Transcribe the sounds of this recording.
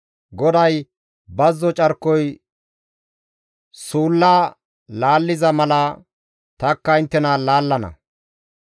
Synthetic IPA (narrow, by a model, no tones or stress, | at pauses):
ɡɔd̪ɐj | bɐzːɔt͡ʃʼɐɾkːɔj | suːlːaː | laːlːɪzɐmɐlɐ | t̪ɐkːɐɪnt̪ːɛnaːlaːlːɐnɐ̰